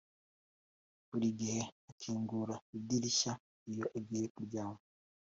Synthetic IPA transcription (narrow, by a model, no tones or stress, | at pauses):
βuɾiɡihe̞akʰiːŋɡuɾaidiɾiʃa | ijo̞ʔaɡiɾekuɾɟaːmbo